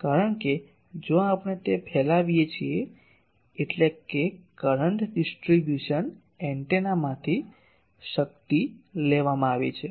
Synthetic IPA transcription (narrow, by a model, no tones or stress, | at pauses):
kaɾəɳke | d͡ʒõapɳ̃et̪epʰɛlaʋijet͡ʃʰieː | ʈlekekəɾəɳʈɖisʈɾibjuʃən | ɛɳʈenamãt̪ʰi | ʃəkt̪ileʋamãaʋḛt͡ʃʰe